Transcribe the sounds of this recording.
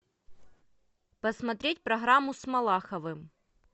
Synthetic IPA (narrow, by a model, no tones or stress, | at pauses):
pɐsmɐt̪ɾʲet̚ʲpɾɐɣɾamːʊsmɐlˠaxɐvɨm